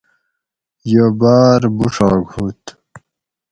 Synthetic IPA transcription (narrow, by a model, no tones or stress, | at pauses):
jəbaːɾbuʂɑːɡʱhut̪